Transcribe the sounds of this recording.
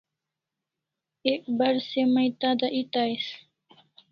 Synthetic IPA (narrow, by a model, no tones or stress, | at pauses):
eːkbɐɾsemɐit̪aːd̪aʔit̪aːis